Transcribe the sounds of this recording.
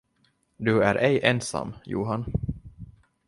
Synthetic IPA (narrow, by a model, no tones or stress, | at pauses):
d̪ɵæɾʔɛjʔɛnsa̰mːjṵːɦan